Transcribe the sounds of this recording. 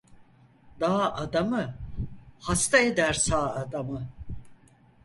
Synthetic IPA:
d̪aːʔad̪amɯ | hast̪ʰaed̪æɾsaːad̪amɯ

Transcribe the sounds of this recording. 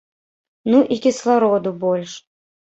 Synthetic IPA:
nuʔikʲislˠaɾɔd̪ubɔlʲʂ

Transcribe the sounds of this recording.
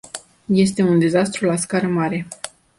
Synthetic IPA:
je̞st̪e̞und̪e̞zast̪ɾulaskaɾəmaɾe̞

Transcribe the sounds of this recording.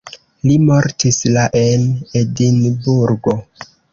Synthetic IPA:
limo̞ɾtislaʔenedinbuɾɡo̞

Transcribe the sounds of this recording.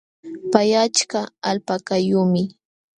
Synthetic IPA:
pajat͡ʃkaalpakajʊmɪ

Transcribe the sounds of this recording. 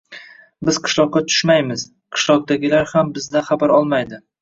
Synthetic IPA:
bɪz̥qʰɨ̥ʃlˠɒq̚ːɑt̪ʰʊ̥ʃmajmɪz̥ | qʰɨ̥ʃlˠɒq̚d̪aɡʲɪlaɾhambɪzd̪aχabaɾɒlˠmajd̪ɪ

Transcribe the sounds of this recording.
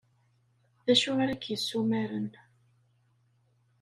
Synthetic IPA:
ðæʃumaɾækːjəsːumæɾən

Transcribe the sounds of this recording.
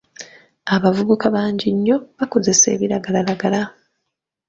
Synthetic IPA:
aβavuβukaβaːɲɟiɲːo̞βako̞ze̞se̞̰ːβiɾaɡalalaɡala

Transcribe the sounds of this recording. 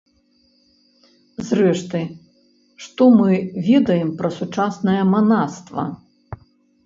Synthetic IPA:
zɾɛʂt̪ɨ | ʂt̪ɔmɨvʲɛd̪ɐjɛmpɾɐsut͡ʂasnɐjɐmanast̪vɐ̰

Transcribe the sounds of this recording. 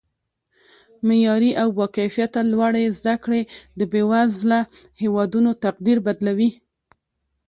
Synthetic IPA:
mejɑɾiʔawːɑqefijat̪ːalwaɽezd̪akɽed̪əbewazlahewɑd̪unot̪aq̚d̪iɾbad̪lawi

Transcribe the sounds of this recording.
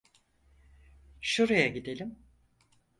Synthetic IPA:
ʃuɾajaɟid̪elʲim

